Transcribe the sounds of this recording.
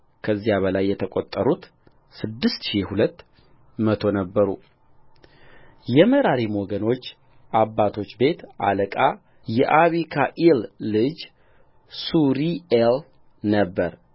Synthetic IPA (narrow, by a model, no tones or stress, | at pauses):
kʰəzːijaβəlajːɛt̪ʰəkʼot̪ʼːəɾut̪ | sɨd̪ːɨst̪ʃihulət̪ː | mət̪ʰo̞nəbːəɾṵ | jɛməɾaɾimoɡəno̞t͡ʃː | ʔabːat̪ʰo̞t͡ʃːbe̞t̪ʔa̰ləkʼa | jɛʔaβikʰaʔilːɨd͡ʒ | suɾiel | nəbːəɾ